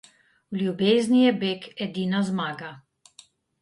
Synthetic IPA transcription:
wlʲjubeːznʲijɛbekɛd̪inazmaːɡa

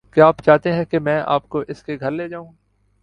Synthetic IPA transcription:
kaːpt͡ʃaːɦt̪eɦɛ̃kemɛ̃ːʔa̰ːpkoʔɪskeɡʱɐɾleːd͡ʒaːũː

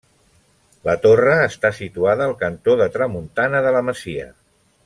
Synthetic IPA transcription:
lət̪orəːst̪asit̪uaðəːlˠkənt̪oðət̪ɾəmunt̪anəðələməziə̰

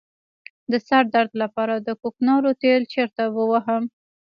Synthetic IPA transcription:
d̪əsaɾd̪aɾd̪lapɑɾad̪əkoknɑɾot̪elt͡ʃeɾt̪awəwaɦəm

